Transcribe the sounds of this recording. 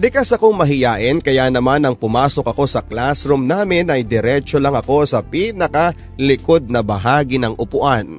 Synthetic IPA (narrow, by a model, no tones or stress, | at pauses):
lɪkasɐko̞ŋmɐɦɪjaːʔɪnkɐjanɐmanɐŋpʊmaːso̞k̚ɐko̞sɐklasɾʊmnaːmɪnɐjd̪ɛɾɛt͡ʃolɐŋɐko̞sɐpiːnɐkɐ | lɪko̞d̪̚nɐbɐɦaːɡɪnɐŋʔʊpʊʔan